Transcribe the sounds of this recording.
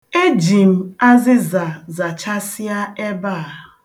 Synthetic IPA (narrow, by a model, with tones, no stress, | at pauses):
e˦d͡ʒi˨m̩˦˨a˦zɪ˦za˨za˨t͡ʃa˦si˦a˦e˦baː˦˨